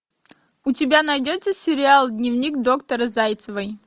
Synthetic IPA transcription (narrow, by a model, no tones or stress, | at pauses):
ʊtʲɪbʲanɐjdʲot̪səsʲɪɾʲɪalˠd̪ʲnʲɪvnʲikd̪o̞kt̪əɾəzajt̪səvəj